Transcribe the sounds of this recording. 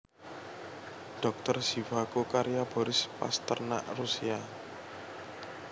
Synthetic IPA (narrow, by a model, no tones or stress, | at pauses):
ɖ̥ɔ̤k̚t̪ərsivakokaɾijab̥ɔ̤ɾɪspa̰st̪ərna̰ʔrusia